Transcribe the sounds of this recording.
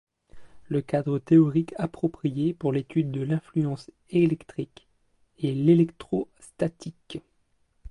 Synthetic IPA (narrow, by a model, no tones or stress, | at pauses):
ləkad̪ʁət̪eɔʁikʰapχɔpχijepuʁlet̪yd̪ːəlɛ̃flyɑ̃s | elɛkt̪χik | ɛlelɛkt̪χɔst̪at̪ik